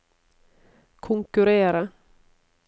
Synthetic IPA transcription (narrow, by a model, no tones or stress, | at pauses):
kʰɔŋkɵɾeːɾa